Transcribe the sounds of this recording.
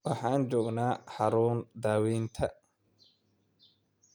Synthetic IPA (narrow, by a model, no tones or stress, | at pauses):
wɑħɑːnt͡ʃɔːɡnaːħɑɾuːnd̪aːwiːnt̪ʰɐ